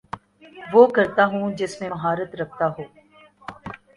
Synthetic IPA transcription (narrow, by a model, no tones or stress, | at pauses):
ʋoːkɐɾt̪aɦũd͡ʒɪsmẽɦaːɾət̪ɾɐk̚ʰt̪aɦoː